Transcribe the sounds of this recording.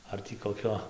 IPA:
ˈɐr tʲiː koːˈkʲoː

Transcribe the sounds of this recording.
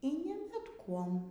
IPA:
iː ˈnʲɪ bʲɛt ˈkuɔm

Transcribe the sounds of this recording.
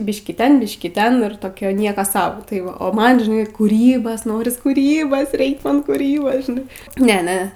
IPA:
ˈbʲɪʃʲkʲiː ˈtʲɛn ˈbʲɪʃʲkʲiː ˈtʲɛn ɪr toːˈkʲɛ ˈnʲiɛkoː ˈsɐʊ tɐɪ ˈʋɐ oː ˈmɐn ʒʲɪˈnɐɪ kuːˈrʲiːbɐs ˈnoːrʲɪs kʊˈrʲiːbɐs ˈrʲɛɪk ˈmɐn kʊˈrʲiːbɐs ʒʲɪˈnɐɪ ˈnʲɛ ˈnʲɛ

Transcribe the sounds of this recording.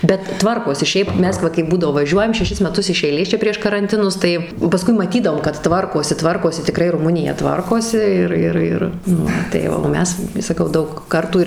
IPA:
bʲɛt ˈtʋɐrkoːsʲɪ ˈʃʲɛɪp ˈmʲɛs ˈʋɐ kɐɪp ˈbuːdɐʋoː ʋɐˈʒʲuɔjɛm ʃʲɛˈʃʲɪs mʲɛˈtʊs ɪʃ ˈɛɪlʲeːs ˈt͡ʃʲɛ pʲrʲiɛʃ kɐrɐnʲˈtʲɪnʊs ˈtɐɪ pɐˈskʊɪ mɐˈtʲiːdɐʋoːm kɐt ˈtʋɐrkoːsʲɪ ˈtʋɐrkoːsʲɪ tʲɪˈkrɐɪ rʊˈmʊnʲɪjɛ ˈtʋɐrkoːsʲɪ ˈɪr ˈɪr ˈɪr ˈnʊ tɐɪ oː ˈmʲɛs sɐˈkɐʊ ˈdɐʊk ˈkɐrtuː ɪr

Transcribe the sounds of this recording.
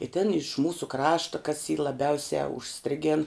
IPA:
ɪ tʲɪn ɪʃ ˈmuːsʊ ˈkrɑːʃtɐ kɐs iː lˠɐˈbʲɛʊsʲɛ ʊʃʲˈsʲtʲrʲɪɡʲeːn

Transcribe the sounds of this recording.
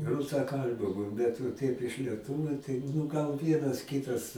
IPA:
rʊsɐˈkɐlʲbʲʊ ˈbʲɛt ʋɐ ˈtɐɪp ɪʃ lʲiɛˈtʊʋʲʊ tɐɪ nʊ ɡɐlˠ ˈʋʲiɛnɐs ˈkʲɪtɐs

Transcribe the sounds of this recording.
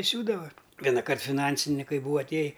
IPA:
ɪ ˈsʲuːdɐʋɐ ʋʲiɛnɐˈkɐrt fʲɪˈnɐnʲsʲɪnʲɪkɐɪ ˈbuːɐ ɐtʲˈeːjɪ

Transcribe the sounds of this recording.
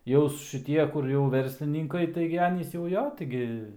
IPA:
jɛʊs ʃʲɪˈtʲiɛ ˈkʊr jɛʊ ˈʋʲɛrʲsʲlʲɪnʲɪŋkɐɪ ˈtɐɪɡʲɪ ˈɑːnʲiːs jɛʊ ˈjoː ˈtɐɪɡʲɪ

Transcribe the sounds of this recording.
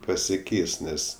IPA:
pɐsʲɪˈkʲɛɪs ˈnʲɛs

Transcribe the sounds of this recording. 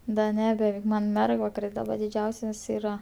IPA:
dɐ ˈnʲɛ bʲɛˈʋʲɛɪk ˈmɐn ˈmʲɛrɡʋɐkɐrʲɪs dɐˈbɐ dʲɪˈd͡ʒʲɛʊsʲɛs ˈiːrɐ

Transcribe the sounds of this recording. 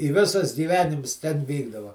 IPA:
ɪ ˈʋʲɪsɐs ɡʲiːˈʋʲæːnʲɪms tʲɛn ˈʋʲiːɡdɐʋɐ

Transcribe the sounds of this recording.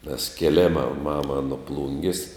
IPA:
nʲɛs kʲeːˈlʲeːmɐ ˈmɑːmɐ nʊ ˈplˠʊŋʲɡʲɪs

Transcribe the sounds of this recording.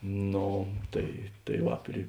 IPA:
ˈnoː ˈtɐɪ tɐɪ ˈʋɐ pʲrʲɪ

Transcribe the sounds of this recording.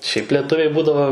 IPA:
ʃʲɛɪp lʲɛˈtʊʋʲɛɪ ˈbuːdɐʋoː

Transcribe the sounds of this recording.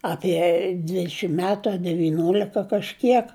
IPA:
ɐpʲiɛ ˈdʲʋʲɪtʲʃʲɪm ˈmʲæːtʊ ɐ dʲɛʋʲɪˈnʲoːlʲɪkɐ kɐʃʲˈkʲiɛk

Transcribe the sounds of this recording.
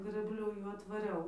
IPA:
ɡrɘbʲˈlʲʊ ˈjuː ɐtʋɐˈrʲɛʊ

